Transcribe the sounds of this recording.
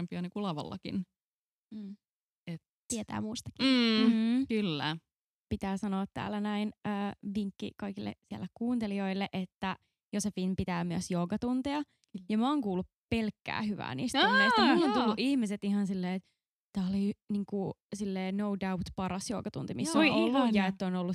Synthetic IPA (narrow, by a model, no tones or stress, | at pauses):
empiɑnikulɑʋɑ̰lːɑ̰kḭn̩ː | et̪ | t̪iet̪æ̰ːmuːst̪ɑ̥ki | kylːæ | pit̪æːsɑnoɑt̪tæ̰ːlænæinøːʋiŋkːḭkɑikilːḛsiælːekkuːnt̪elioilːeʔet̪ːæ | josefinpit̪æːmyæsjoːkɑt̪unt̪eɑ | jɑmæoːŋkuːlːuppelkːæ̰ːhyʋæ̰ːnḭːst̪ːeismont̪ulːuʔihmiset̪ihɑnsilːeːet̪ | t̪ːæːoliniːŋkusilːeːnowdawt̪pɑɾɑsjoːkɑt̪unt̪imisːoolːujɑet̪ːonolːu